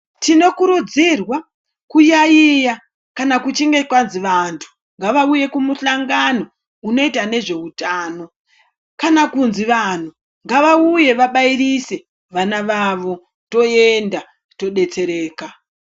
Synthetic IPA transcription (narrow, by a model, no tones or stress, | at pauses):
tino̞kuɾud͡zirwa | kujaija | kanakut͡ʃiŋɡe̞kwanziʋantʰu̥ | ŋɡaʋauje̞kumuɬaŋɡano̞ | uno̞itane̞ʐe̞utaːno̞ | kanakunziʋan̤u | ŋɡaʋauje̞ʋaɓairise̞ | ʋanaʋaʋo̞ | to̞enda | to̞ɗe̞t͡se̞ɾe̞ːka